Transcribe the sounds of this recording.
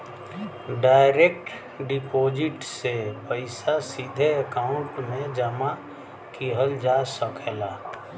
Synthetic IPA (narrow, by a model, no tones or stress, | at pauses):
ɖaːɪɾek̚ʈ | ɖɪpʰoːd͡ʒɪʈsepəɪsasid̪ʱeəkaːʊ̃ɳʈmẽd͡ʒəma | kiɦəld͡ʒaːsəkʰɛlaː